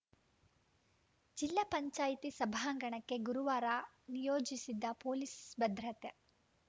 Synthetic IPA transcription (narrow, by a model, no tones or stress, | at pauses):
d͡ʒilːɐpɐɲt͡ʃaːjt̪isɐbʱaːŋɡɐɳɐkːe̞ɡuɾuʋaːɾa | nijoːd͡ʒisid̪ːɐpoːlisbɐd̪ɾɐt̪e